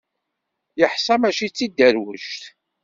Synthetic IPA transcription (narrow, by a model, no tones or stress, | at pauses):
jəħsɑmæʃit͡sːid̪ːæɾwəʃt̪